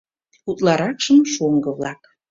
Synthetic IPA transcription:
ut̪lɑɾɑkʃəmʃoŋɡɤ̆βlɑk

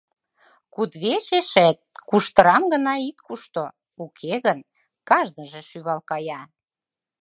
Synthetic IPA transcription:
kud̪βeʃeʃæt̪̚kuʃt̪əɾɑmɡə̆nɑit̪̚kuʃt̪o | ukʰeɣən | kɑʒd̪əʒĕʃyβɑlkɑjɑ

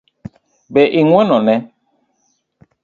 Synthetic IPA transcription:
bɛʔiŋwɛnɔnɛ

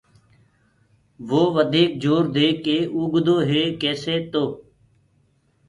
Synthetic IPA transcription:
ʋoːʋəd̪ʱiːk̚d͡ʒoːɾd̪eːkeːʔuːɡʱd̪oːɦeːkeːseːt̪oː

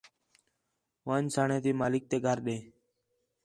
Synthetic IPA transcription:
ʋãːnsaːɳẽːt̪iːmaːlɪk̚t̪eːɡʱəɾɗẽː

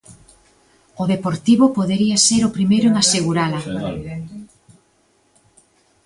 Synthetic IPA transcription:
ʊðepoɾt̪iβʊpoðeɾiɐseɾʊpɾimejɾʊeŋaseɣuɾalɐ

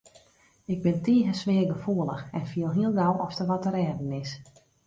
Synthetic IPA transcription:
ɪɡ̚bɪntiːɦəsʋɪərɡəfuəlˠəxɛnfiəlˠɦiəlˠɡawɔftəʋɔtəɾɛːdənɪs

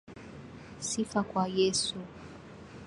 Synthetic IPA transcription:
sifakwajɛsu

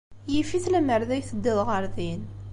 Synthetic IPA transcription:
jifiθlæməɾðæjθəd̪ːəðʁəɾðin

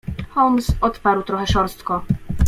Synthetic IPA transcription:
xɔlmsɔt̪paɾwt̪ɾɔxɛʂɔɾst̪kɔ

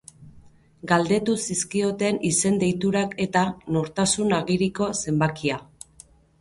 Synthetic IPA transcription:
ɡald̪e̞t̪usiskio̞t̪enise̞nd̪ejt̪uɾake̞t̪ano̞ɾt̪asunaɣiɾiko̞se̞mbakia

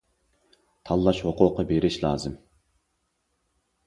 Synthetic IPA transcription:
t̪ʰɑlˠːɑʃhoqʊqːɑbeɾɪʃlˠɑ̰ːzɨm

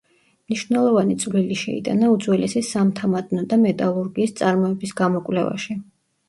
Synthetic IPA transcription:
mniʃvnɛlˠɔvanit̪sʼvliliʃɛ̰ḭd̪ʼa̰naud̪zwɛlɛsisamt̪ʰamad̪ʼnɔd̪amɛt̪ʼaluɾɡiːst̪sʼaɾmɔɛbisɡamɔkʼwlɛva̰ʃi

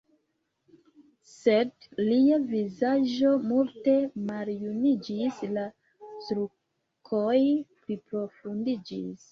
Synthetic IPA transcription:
se̞d | liavizaʒd͡ʒo̞multe̞maljunid͡ʒisla | stɾu | kʰojpɾipɾo̞fundid͡ʒḭs

